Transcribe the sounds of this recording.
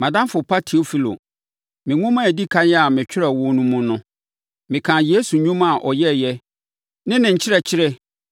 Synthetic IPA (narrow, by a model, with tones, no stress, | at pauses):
mã˨dã˦mfʊ˨pʰa˦tʰi˨o˦fi˦lo̰˨ | mɪ̃˨ŋʊ̃˦mã˦æ˨di˦kʰã˦ɛ˦a˨mɪ̃˨t͡ɕᶣɪ˦ɾɛ˨wʊ̃˦nũ˦mũ˦nʊ̃˦ | mɪ̃˨kʰã˨je˦su˨ɲᶣũ˦ma˨ʔɔ˨jɛ˦˨jɛ˦ | nɪ̃˦nɪ̃˨ɲ̩˨t͡ɕʰɪ˦ɾɛ˨t͡ɕʰɪ˦ɾɛ˦